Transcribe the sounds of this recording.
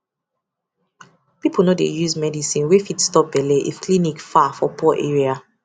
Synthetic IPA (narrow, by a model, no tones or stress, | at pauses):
pipʰlnɔdḛjuzmɛdisĩnwefitstɔp̚bɛleʔḭfklinikfafɔpɔʔeɹia